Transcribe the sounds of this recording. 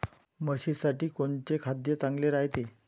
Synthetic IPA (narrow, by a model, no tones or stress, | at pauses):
məɕisaʈiːkoɳt͡ɕekʰad̪jet͡sãŋɡleɾajt̪e